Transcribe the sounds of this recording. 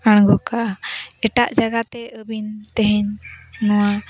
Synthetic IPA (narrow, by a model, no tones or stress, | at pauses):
aɽ̃ɡɔkaɛʈaʔd͡ʒaɡat̪ɛʔəbint̪ɛɦɛɲnɔwa